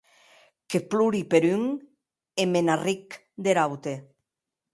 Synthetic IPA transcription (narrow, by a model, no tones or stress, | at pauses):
kepluɾipeɾyŋ | emenarik | d̪eɾawt̪e